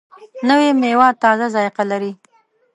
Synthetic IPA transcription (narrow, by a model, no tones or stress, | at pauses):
nəwemewɑt̪ɑzazɑjɪqalaɾi